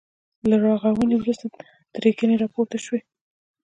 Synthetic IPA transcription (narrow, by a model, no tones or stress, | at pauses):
laɾɑɣawənewɾust̪a | d̪̥ɾekəneɾɑpoɾt̪aʃwe